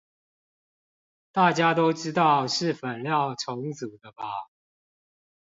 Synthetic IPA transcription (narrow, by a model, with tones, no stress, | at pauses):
t̪a˥˩t͡ɕja˦t̪o˥ʊʈ͡ʂɻ̩˥t̪ɑ˥˨ʊʂɻ̩˥˩fə˨˩nljɑ˥˨ʊʈ͡ʂʰo˧˥ŋt͡su˨˩d̪ə˦ba˦